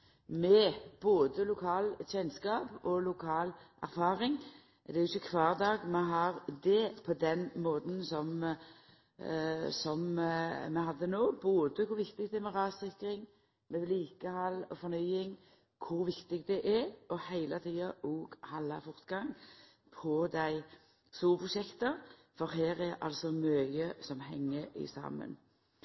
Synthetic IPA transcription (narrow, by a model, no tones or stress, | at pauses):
mɛb̥oːd̪əlʊkʰɑːlçɛnskɑːpɔlʊkʰɑːlʔæ̰ɾfɑːɾɪŋ | d̪ɛɾjʊɪçːəkʰʋɑːʁd̪ɑːɡmɛɦɑʁd̪ɛpʰɔd̪ɛnmoːd̪n̩sɔm | sɔmmɛhɑd̪ːənoːboːd̪əkʰʊɾʋɪkt̪ɪɡd̪ɛæmɛʁɑːsɪkɾɪŋ | mɛbliːkəhɑlːɔfɔɾnyːɪŋ | kʰʊɾʋɪkt̪ɪɡd̪ɛʔɛɾʔɔhæɪlət̪ʰiːɑʔoːɡhɑlːɑ̰fɔʁt̪ɡɑŋ | pʰɔd̪æɪ | suːlpʰɾʊʃɛkt̪ə | fɔɾɦæːɾɛɾʔɑ̰lsɔmœəsɔmhɛ̰ŋːəɪ̰sɑ̰ːmə̰n